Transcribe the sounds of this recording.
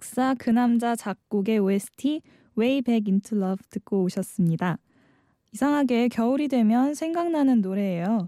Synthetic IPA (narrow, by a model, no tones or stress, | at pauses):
k̚s͈akɯnamd͡ʑat͡ɕak̚k͈uɡe̞uesʰɯ̥tʰi | we̞ibe̞ɡintʰɯɭːʌbtɯk̚k͈oːɕʰʌs͈ɯmɲida | isʰaŋɦaɡe̞kjʌuɾidwe̞mjʌnsʰe̞ŋɡaŋnanɯnːoɾe̞ːjo